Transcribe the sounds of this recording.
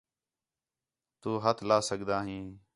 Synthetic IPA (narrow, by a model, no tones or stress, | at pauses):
t̪uːɦət̪ʰlaːsəɠd̪aːɦĩː